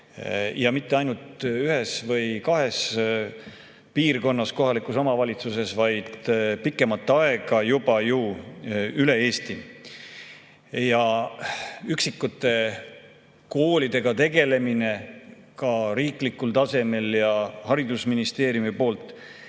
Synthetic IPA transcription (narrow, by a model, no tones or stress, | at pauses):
jɑmit̪ːeɑjnult̪yɦe̞svɤ̞jkɑɦe̞s | piːrko̞nːɑsko̞ɦɑlikˑuso̞mɑvɑlʲit̪suse̞svɑjd̪̥pikːˑe̞mɑt̪ːeɑe̞ɡ̥ɑjub̥ɑju | yle̞eːst̪i | jɑ | yksikːˑut̪ːˑe̞ | ko̞ːlʲid̪e̞ɡ̥ɑt̪e̞ɡe̞le̞mine̞ | kɑɾiːklikːˑult̪ɑse̞me̞ljɑhɑɾid̪̥usminist̪e̞ːɾjumipo̞ːlt̪ˑː